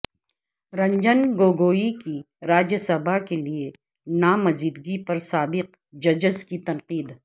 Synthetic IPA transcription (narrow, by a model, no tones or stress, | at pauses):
ɾɐ̃ɲd͡ʒənɡoːɡoːiki | ɾaːd͡ʒəsɐbakelie | naːmɐziːd̪ɡipɐɾsaːbɪq̚ | d͡ʒɐd͡ʒəzkit̪ɐ̃nqiːd̪